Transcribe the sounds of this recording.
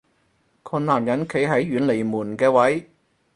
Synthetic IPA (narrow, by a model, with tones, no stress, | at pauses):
kʰɔː˧nlaː˨˩mjɐ˨˥nkʰe˨˥jɦɐ˨˥jːyː˨˥nle˨˩jmuː˨˩nkɛː˧wɐ˨˥j